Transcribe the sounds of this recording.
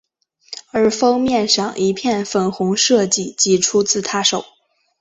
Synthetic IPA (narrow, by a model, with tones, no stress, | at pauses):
ə˞˧˥fɤ˥ŋmjɛ˥˧nʂɑ˥˩ŋʔi˧˥pʰjɛ˥˩nfə˨˩nxʊ˧˥ŋʂɤ˥˧t͡ɕi˥˩t͡ɕi˧˥ʈ͡ʂʰu˥t͡sɹ̩˥˩t̪ʰa˥ʂo˨˩˦ʊ